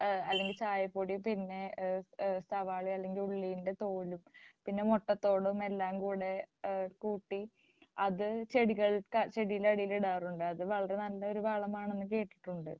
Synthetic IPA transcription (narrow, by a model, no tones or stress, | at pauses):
ɐlːe̞ŋɡilt͡ɕaːjɐpːoːɽipinːe̞ | st̪ʰɐʋaːɭiɐlːe̞ŋɡiluɭːijinde̞t̪o̞ːlumpinːe̞moʈːɐt̪ːo̞ːɽume̞lːaːmkuːɽe̞kuːʈːi | ɐðɨt͡ɕeɽiɣɐɭkɐt͡ɕe̞ɽijilɐɽijiliɽaːruɳɖɨɐðɨʋɐɭɐɾenɐlːɐo̞ɾubaːɭɐmaːɳenːɨkːe̞ːʈːi̥ʈːuɳɖɨ̰